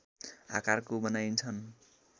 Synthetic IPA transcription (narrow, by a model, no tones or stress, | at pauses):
a̰karkobʌnajnt͡sʰʌn